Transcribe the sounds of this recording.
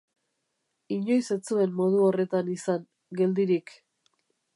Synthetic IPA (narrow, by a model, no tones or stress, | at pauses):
iɲo̞jse̞t͡sue̞mːo̞ð̞uo̞re̞t̪anisaŋ | ɡe̞ld̪iɾik